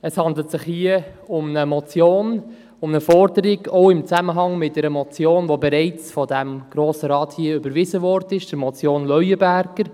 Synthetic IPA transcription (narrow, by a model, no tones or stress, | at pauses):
əshɑndlətsɪχhiəʊmnəmɔt͡sjoːn | ʊmnəfɔɾdəɾɪɡoʊɪmt͡sæməɦɑŋmɪtd̥ɛɾəmɔt͡sjoːnʋobɛɾɛɪt͡sfɔdæmɡ̥ɾoːsəɾɑːthiːəʏbəɾvɪzəvɔɾdəɪʃd̥əɾmɔt͡sjoːnlœɥəbæɾɡ̥əɾ